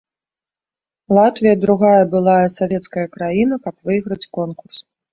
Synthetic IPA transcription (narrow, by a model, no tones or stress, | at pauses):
lˠat̪vʲijɐd̪ɾuɣajɐbɨlˠajɐsavʲɛt̪skɐjɐkɾajinɐkɐpvɨjɣɾɐt͡sʲkɔnkurs